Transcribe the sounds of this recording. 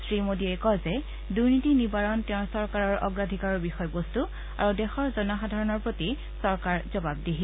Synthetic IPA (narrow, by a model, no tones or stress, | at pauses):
sɹimodiɛkɔzɛ | duɹnitinibaɹɔntɛʊ̃sɔɹkaɹɔɹʔɔ̰ɡɹadʱikaɹɔbixɔjbostu | a̰ɹudɛxɔɹzɔnaxadʱaɹɔnɔɹpɹoti | sɔɹkaɹzɔbabdiɦi